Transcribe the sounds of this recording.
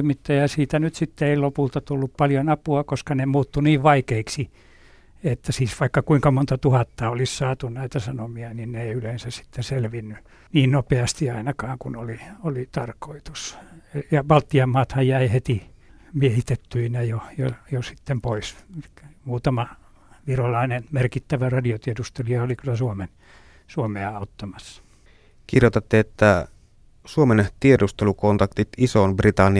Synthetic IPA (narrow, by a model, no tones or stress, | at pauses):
imit̪ːɑjæsiːt̪ænyt̪sit̪ːeeilopult̪ɑt̪ulːuppɑljonɑpuɑkoskɑnemuːt̪ːuniːʋʋɑikeiksi | et̪ːæsiːsʋɑikːɑkuiŋkɑmont̪ɑt̪uhɑt̪ːɑolissɑːt̪unnæit̪æsɑnomiɑninneeiylensæssi̥t̪ːeselʋinːy | niːnnopeɑst̪iɑinɑkɑːŋkunoliolit̪ɑrkoit̪u̥sejɑʋɑlt̪ːiɑmːɑːt̪hɑjjæihet̪i | miehit̪et̪ːyinæjojojosi̥t̪ːempois | muːt̪ɑmɑ | ʋirolɑinenmerkit̪ːæʋærɑdiot̪iedust̪eliɑolikylːæsuomen | suomeɑɑut̪ːɑmɑsːɑ̥ | kirjot̪ɑt̪ːeet̪ːæ | suoment̪iedust̪elukont̪ɑkt̪it̪isonbrit̪ɑnːi